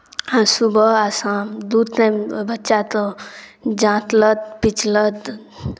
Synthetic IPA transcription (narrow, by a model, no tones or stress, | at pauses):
ãsubʱəasãmd̪ud̪nẽbətːʃat̪ɔ̃ | d͡ʒãt̪lət̪̚pit͡ʃlət̪